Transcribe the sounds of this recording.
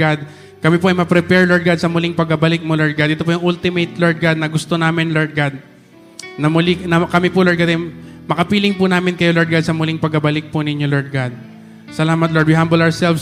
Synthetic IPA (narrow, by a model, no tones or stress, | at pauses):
ad̪̚ | kɐmipoʔɐjmɐpɾɛpɛɹloɹd̪̚ɡad̪̚sɐmʊlɪŋpɐɡ̚kːɐbɐlɪk̚moloɹd̪̚ɡad̪ʔɪt̪opojʊŋʔʊlt̪ɪmejt̪loɹd̪̚ɡad̪̚nɐɡʊst̪o̞naːmɪnloɹd̪̚ɡad̪̚ | nɐmʊlɪnɐkɐmɪpʊloɹd̪̚ɡad̪ɐmɐkɐpiːlɪŋpʊnaːmɪnkɐjoloɹd̪ɡad̪sɐmʊlɪŋpɐɡ̚kːɐbɐlɪk̚pʊnɪɲːoloɹd̪̚ɡad̪̚ | sɐlaːmɐt̪̬̚loɹd̪wɪɦambolɐɹsɛlfs